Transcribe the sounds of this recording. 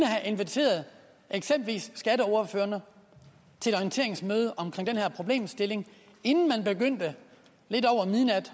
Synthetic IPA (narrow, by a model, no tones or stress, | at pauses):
nəɦæʔe̝nʋet͡sʰe̝̰ːɐð̞̩ˠ | ʔeɡ̥sembl̩ʋḭːsːɡ̥æɾəɒʊɐføːɐnə | t͡sʰe̝e̥ɒient͡sʰe̝ɐ̰eŋsmøːð̞ˠəʔɒ̽mkʰʁeŋ̰d̥enhæɐ̰pʰʁo̝b̥le̝̰ːmsd̥e̝le̝ŋ | e̝nn̩mænb̥e̝ɡ̥øn̰d̥ə | le̝dɒʊ̰ɐmiðˠnæd̥